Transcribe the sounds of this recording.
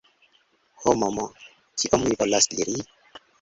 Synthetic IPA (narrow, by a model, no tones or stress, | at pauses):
homomo | kiʔommivolasdḭɾi